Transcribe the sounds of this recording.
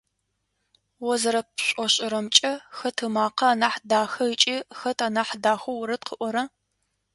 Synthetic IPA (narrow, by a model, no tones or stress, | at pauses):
wɔzɐɾɐpɕʷʼɔɕʼɪɾɐmt͡ʃʼɐxɐtʰɨmaːqɐaːnaːħdaːxɐit͡ʃʼiːxɐtʰaːnaːħdaːxʷɐwʊɾɐt̚qʰəʔʷɔɾɐ